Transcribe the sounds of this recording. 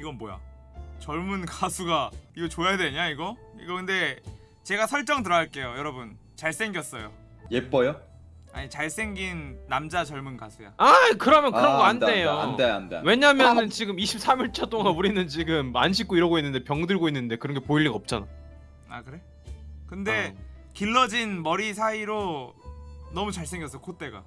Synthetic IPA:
iɡʌnboja̰t͡ɕʌɭmunkasʰuɡaiɡʌt͡ɕojaadwe̞ɲaiɡʌḭɡʌkɯnde̞ | t͡ɕe̞ɡasʰʌɭt͡ɕ͈ʌŋt̬ɯɾʌɦaɭk͈e̞jojʌɾʌbun | t͡ɕaɭs͈e̞ŋɡjʌs͈ʌjo̰ | jep͈ʌjo | a̰ɲit͡ɕaɭs͈e̞ŋɡinːamd͡ʑat͡ɕʌɭmunkasʰuja̰akɯɾʌmjʌnkɯɾʌnŋɡʌɡanddejonndwe̞ɲaɦmjjʌnɯnt͡ɕiɡɯmiɕʰip̚s͈ʰamiɭt͡ɕʰʌt͈oŋanuɾinɯnt͡ɕiɡɯmanɕʰik͈oiɾʌɡoinːɯnde̞pjʌŋdɯɭɡoinːɯnde̞kɯɾʌŋɡe̞poiʎːiɡaʌp̚t͡ɕ͈ana | a̰kɯɾe̞ | kɯnde̞ | kiɭːʌd͡ʑinmʌɾisʰaiɾo | nʌmut͡ɕaɭs͈e̞ŋɡjʌs͈ʌokʰot͈e̞ɡa̰

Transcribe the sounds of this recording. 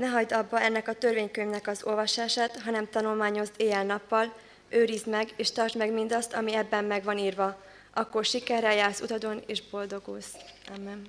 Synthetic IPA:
nɛɦɒɟd̪ɒbːɒɛnːɛkɒt̪ø̞rveːɲkøɲvnɛkɒzo̞lvɒʃaːʃaːt̪ɦɒnɛmt̪ɒnulmaːɲo̞zd̪eːjɛlnɒpːɒl | øːɾizmɛɡeːʃt̪ɒrt͡ʃmɛɡmind̪ɒst̪ɒmiɛbːɛmːɛɡvɒniːrvɒ | ʔɒkːo̞rʃikɛrːɛjaːlsut̪ɒd̪o̞neːʒbo̞ld̪o̞ɡo̰ːs | aːmːɛn

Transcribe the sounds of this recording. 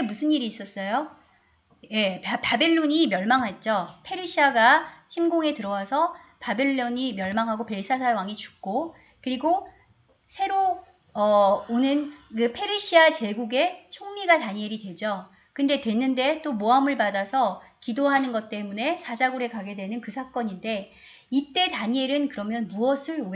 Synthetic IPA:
emusʰɯnːiɾiːs͈ʌs͈ʌjo | je̞pabe̞ɭːoɲimjʌɭmaŋɦat̚t͡ɕ͈ʌpʰeɾiɕʰiaɡat͡ɕʰimɡoŋe̞tɯɾʌwasʰʌpabe̞ɭːoɲimjʌɭmaŋɦaɡope̞ɭs͈ʰasʰawaŋit͡ɕu̥k̚k͈o | kɯɾiɡo | sʰe̞ɾo | ʌonɯnkɯpʰe̞ɾiɕʰiat͡ɕe̞ɡuɡe̞t͡ɕʰoŋmiɡataɲieɾidwe̞d͡ʑʌ | kɯnde̞twe̞nːɯnde̞t͈omoamɯɭpadasʰʌkidoɦanɯnɡʌt̚t͈e̞mune̞sʰad͡ʑaɡuɾe̞kaɡe̞dwe̞nɯnkɯsʰak͈ʌɲinde̞ | it͈e̞taɲieɾɯnkɯɾʌmjʌnmuʌsʰɯɭoe

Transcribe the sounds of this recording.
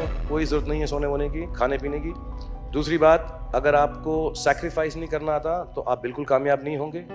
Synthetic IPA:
koːizʊɾuɾət̪nɐɦĩɦɛsoːneʋaːlekikʰaːnepiːnekid̪uːsɾibaːt̪ɐɡəɾaːpkosɛːkɾɪfaːɪsnɐɦĩkɐɾnaaːt̪at̪oʔaːp̚bɪlkʊlkaːmjaːbnɐɦĩɦõːŋɡeː

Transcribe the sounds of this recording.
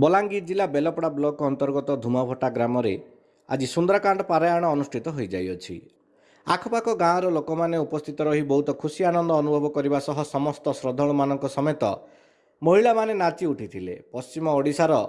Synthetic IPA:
bɔlaŋɡid͡ʒilabelɔpɽablɔkɔnt̪ɔɾɡɔt̪ɔd̪ʱumabʱɔʈaɡɾamɔɾe | a̰d͡ʒisund̪ɾakaɳɖɔpaɾajaɽ̃ɔːnusʈʰit̪ɔɦojd͡ʒajɔt͡ʃʰḭ | a̰kʰɔpakɔɡãɔ̃ɾɔlokɔmaneupɔst̪ʰit̪ɔɾɔɦibɔɦut̪ɔkʰusianɔnd̪ɔːnubʱɔbɔkɔɾibasɔɦɔsɔmɔst̪ɔsɾɔd̪ʱɔɭ̃ɔmanɔŋkɔsɔmet̪ɔ | mɔɦiɭamanenat͡ʃiuʈʰit̪ʰilḛpɔst͡ʃimɔːɽisaɾɔ

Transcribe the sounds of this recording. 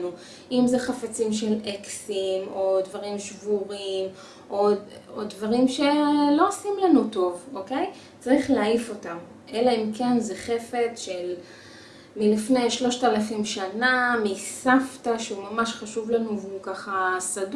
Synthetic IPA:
nu | ʔimzeχafat͡simʃe̞leksimo̞dvaʁimʃvuʁim | ʔoodvaʁimʃe̞lo̞osimlanuto̞voke̞j | t͡saʁiχleaifo̞tam | ʔelaimkenzeχefet͡sʃel | milifnejʃlo̞ʃtaalafimʃanamisaftaʃeumamaʃχaʃuvlanuvukaχasad

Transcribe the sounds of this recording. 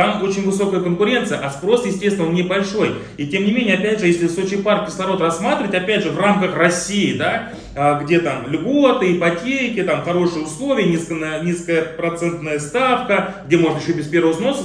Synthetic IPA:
t̪amo̞t͡ɕɪnʲvɨso̞kəjəkənkʊɾʲe̞nt̪sɨjəʔɐspɾo̞sjɪsʲtʲest̪ʲɪnonːʲɪbɐlʲʂo̞j | itʲe̞mnʲɪmʲenʲjɐpʲædʲʐɨjesʲlʲɪsot͡ɕɪjpark̚kʲɪslˠɐɾo̞t̪rɐsːmat̪ɾʲɪvətʲɐpʲædʲʐɨvramkəxrɐsʲːijɪd̪a | ɡdʲe̞t̪amlʲɡot̪ɨipɐtʲekʲɪt̪amxɐɾo̞ʂɨjəʊslˠo̞vʲɪjənʲiskənənʲiskəjəpɾɐt̪sɛnt̪nəjəst̪afkəɡ̚dʲe̞mo̞ʐnəɪɕːobʲɪspʲe̞ɾvəvəzno̞sə

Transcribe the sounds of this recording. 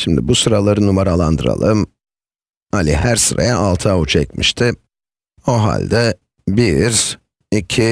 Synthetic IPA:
ʃimd̪ḭbusɯɾalˠaɾɯnumaɾalˠand̪ɯɾa̰lˠɯm | halʲiɦæɾsɯɾa̰jaʔalˠt̪ʰaut͡ʃʰɛcmḭʃt̪ʰɪ | o̞ɦa̰lʲd̪ɛ | biɾ | icʰi

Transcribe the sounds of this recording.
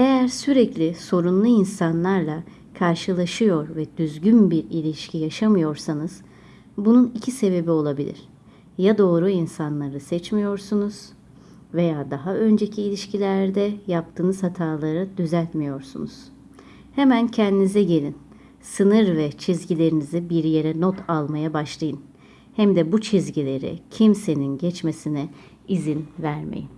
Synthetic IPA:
e̞jæɾsyɾɛclʲɪso̞ɾunlˠuinsanlˠaɾlˠa | kʰaɾʃɯlˠaʃɯjo̞ɾvɛd̪̥yzɟynbiɾilʲiʃcʰijaʃamɯjo̞ɾsanɯz̥ | bununicʰise̞be̞bio̞lˠabilʲḭɾ̥ | jad̪o̞ːɾuinsanlˠaɾɯsɛt͡ʃmijo̞ɾsunuz̥ | ve̞jaːd̪aɦaʔø̞nd͡ʒe̞cʰiːlʲiʃcʰilʲæɾd̪ɛjap̚t̪ʰɯːnɯzhat̪ʰaːlˠaɾɯd̪̥yzælʲt̪mijo̞ɾsṵnṵz̥ | hemæncʰɛnd̪inizɛɟe̞lʲin | sɯnɯɾvɛt͡ʃʰizɟilʲe̞ɾinizibiɾje̞ɾɛnot̪ʰalˠmajabaʃlˠajɯn | hæmd̪ɛbut͡ʃʰizɟilʲe̞ɾḭcʰimse̞ninɟɛt͡ʃme̞sinɛ | izinvæɾmḛjin

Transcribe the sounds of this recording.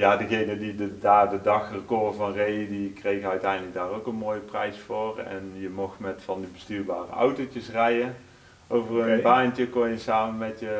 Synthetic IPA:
jaːdəɣejnədidədaːdədɑxrəkoːvɑnrejədikrejɣəœɥtɛjndələk̚daːrowkənmoːjəprɛjsfoːrɛ̰njəmɔxtmɛtfɑndibəstyːɹba̰ːrə̰ɑ̰wtowt͡ʃəsrɛjə | owvərənbaːntəkɔnjəsaːmənmɛtjə

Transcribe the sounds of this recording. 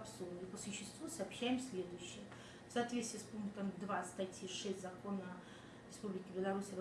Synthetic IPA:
psulnipəsʊɕːɪst̪vusɐːpɕæjɪmsʲlʲed̪ʊjɕːɪj | fsɐːt̪vʲet̪st̪ʲiːspunkt̪əmd̪vast̪ɐtʲjiʂɛsʲtʲzɐkonɐ | ɾʲɪspublʲɪkʲɪbʲɪlˠɐɾusʲɐʋ

